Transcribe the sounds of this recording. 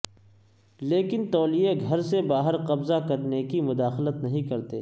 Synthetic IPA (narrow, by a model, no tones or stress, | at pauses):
leːkɪnt̪ɔːlijeɡʱɐɾsebaːɦəɾqɐbzakɐɾnekimʊd̪aːxlət̪nɐɦĩkɐɾt̪eː